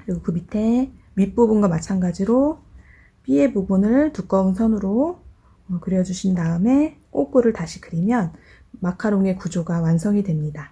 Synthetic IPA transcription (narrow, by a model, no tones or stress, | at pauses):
kɯɾiɡokɯmitʰe̞ | mip͈obunɡwamat͡ɕʰanɡad͡ʑiɾo | p͈ie̞bubunɯɭtuk͈ʌŋsʰʌnɯɾo | kɯɾjʌd͡ʑuɕʰindaɯme̞k͈ok͈oɾɯɭtaɕʰi̥kɯɾimjʌn | makʰaɾoŋe̞kud͡ʑoɡawansʰʌŋidwe̞mɲida